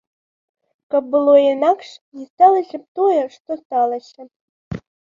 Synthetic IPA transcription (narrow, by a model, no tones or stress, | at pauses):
kɑbɨlˠojenɑkʂjist̪ɑlˠə̆ɕɘ̆p̚t̪ojɤ̆ʂt̪ost̪ɑlˠə̆ɕɘ̆